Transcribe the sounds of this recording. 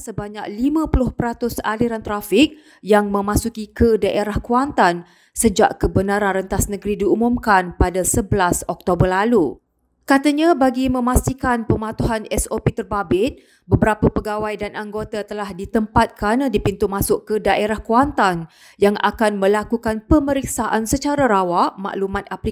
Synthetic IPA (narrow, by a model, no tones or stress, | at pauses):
səbaɲak̚limãpulʊhpəɾat̪ʊsa̰liɾant̪ɾafɪk̚ | jaŋmə̃mãsukikədaʔeɾahkuant̪an | səd͡ʒaʔkəbənaɾanrənt̪asnə̃ɡɾidiumũmkanpadasəbəlasɔk̚t̪obərlalu | kat̪aɲãbaɡimə̃mast̪ikanpəmat̪uɦanɛsopet̪ərbabɪt̪̚ | bəbəɾapapəɡawajdanʔaŋɡot̪at̪əlahdit̪əmpat̪̚kɾanadipint̪umãsʊʔkədaʔeɾahkuant̪an | jaŋʔa̰kanmə̃lakukanpəməɾik̚saʔansət͡ʃaɾaɾawaʔma̰ʔlumãt̪̚apli